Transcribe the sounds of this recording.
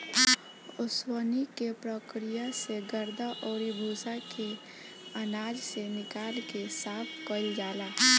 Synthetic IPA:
ʊswənikepɾəkɾijaseɡəɾd̪aʔoːɾibʱoːsakʰe | ənaːd͡ʒsenɪkaːlkesaːpʰkəld͡ʒaːlaː

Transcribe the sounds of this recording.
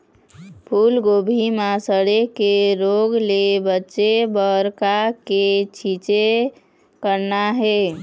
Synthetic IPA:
pʰulɡobʱimasəɽekeɾoɡlebətːʃebəɾkaket͡ʃʰit͡ʃe | kəɾnaɦe

